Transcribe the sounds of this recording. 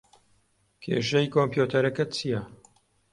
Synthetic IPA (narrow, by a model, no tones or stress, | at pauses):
kʰḛːʃɐjkʰompjut̪ʰɐɾɐkɐt͡sʰijɐ